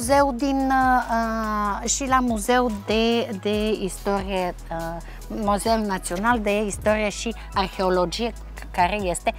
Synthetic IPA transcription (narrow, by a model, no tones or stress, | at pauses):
zɛud̪in | ʃilamuzɛud̪ɛd̪ɛist̪ɔɾiə | muzɛnat̪sionalˠd̪ɛist̪ɔɾijəʃi | aɾxɛolɔd͡ʒiə | akaɾɛjɛst̪ɛ